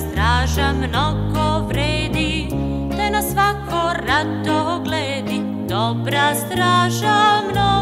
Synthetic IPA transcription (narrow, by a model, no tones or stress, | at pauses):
st̪ɾaːʒamnoɡoʋɾeːd̪i | t̪anasʋakoɾat̪ːoɡlɛːd̪i | d̪obɾast̪ɾaːʒamno